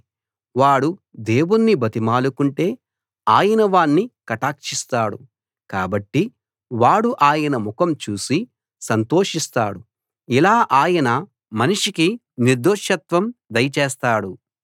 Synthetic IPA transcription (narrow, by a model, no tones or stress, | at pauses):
ʋaːɽud̪e̞ːwunːibɐt̪imaːlukuɳʈe̞ː | aːjɐnɐʋaːɳːikɐʈaːkʂist̪aːɽu | kaːbɐʈːi | ʋaːɽuʔaːjɐnɐmukɐmt͡ʃuːsi | sɐnt̪o̞ːʂist̪a̰ːɽu | ilaːʔaːjɐnɐ | mɐniʂiki | niɾd̪oːʂjɐt̪ʋɐmd̪ɐjɐt͡ʃeɛːst̪aːɽu